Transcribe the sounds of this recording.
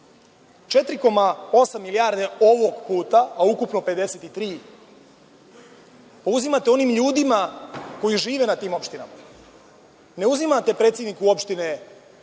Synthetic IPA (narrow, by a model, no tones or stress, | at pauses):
t͡ʃe̞t̪ɾiko̞maosamːilijaːɾd̪e̞o̞ʋo̞ɡpuːt̪aaukupno̞pe̞d̪e̞se̞t̪it̪ɾiː | pauzimat̪e̞o̞nimʎuːd̪imako̞jiʒiːʋe̞nat̪iːmo̞pʃt̪ina̰ma | ne̞uzimat̪e̞pɾe̞ːt̪sje̞d̪nikuo̞pʃt̪ine̞